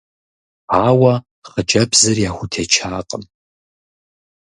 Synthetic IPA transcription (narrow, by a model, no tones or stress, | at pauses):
aːwɐ | χəd͡ʒʼɐbzɐrjaːxʷʊtʰet͡ʃʰaːqʼəm